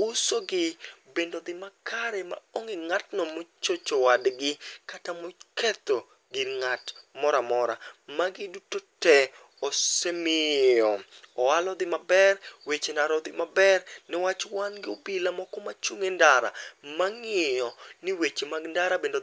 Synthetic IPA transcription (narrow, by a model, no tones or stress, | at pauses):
ʊsoɡɪbendod̪ɪmakʰaɾema̰oŋɪŋatnɔmot͡ʃot͡ʃowadɡɪkatamokɛt̪o | ɡɪnŋatmɔɾamɔɾamaɡɪdutotɛ | ɔsemɪɔɔalɔd̪ɪmabɛrwet͡ʃendaɾɔd̪ɪmabɛrnɪwat͡ʃwanɡɪobilamɔkɔmat͡ʃuŋendaɾa̰maŋɪjɔnɪwet͡ʃemaɡndaɾabendo